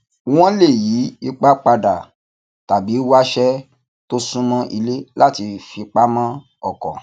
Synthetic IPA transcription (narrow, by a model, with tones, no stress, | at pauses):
w̃ɔ̃˦le˦˨ji˨˦i˧k͡pa˦k͡pa˧da˨ | ta˨bi˨˦wa˦ʃɛ˦ | to˦sũ˦mã˦ʔi˧le˦la˦ti˧fi˧k͡pa˦mã˦ | ɔ˦˨kɔ̰˨